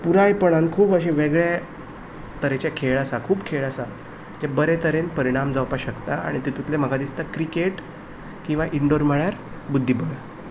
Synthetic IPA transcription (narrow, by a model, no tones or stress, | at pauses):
puɾajpəɽ̃ankʰuːbəɕẽʋeɡɭja | t̪əɾet͡ɕjakʰeɭasakʰuːbkʰeɭasa | d͡ʑabəɾet̪əɾenpəɾiɽ̃amd͡zawpaɕəkt̪aa̰ɽ̃it̪et̪ut̪lem̤əɡʱad̪ist̪akɾikeʈ | kĩw̃ʋaʔiɳɖoɾməɭjaɾ | bud̪ʱːibəɭa